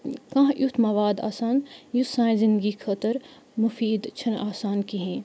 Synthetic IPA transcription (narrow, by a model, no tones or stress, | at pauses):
kãɦjʔut̪ʰmɐʋaːd̪a̰ːsaːnjut̪sãːj̃zɪ̃nd̪ɡikʰɐt̪əɾ | mufiːd̪t͡ʃʰɐnaːsaːnkiɦẽː